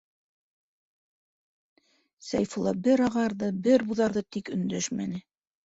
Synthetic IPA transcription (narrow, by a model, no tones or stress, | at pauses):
sæjfulˠɑ̰bɘɾɑʁɑɾðɤbɘɾbuðɑɾðɤt̪ikɵ̆nd̪æʃmæ̰nɘ